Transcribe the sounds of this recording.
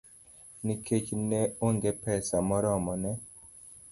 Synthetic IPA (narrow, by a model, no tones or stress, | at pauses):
nikʰet͡ʃnɛoŋɡepɛsamɔɾɔmɔnɛ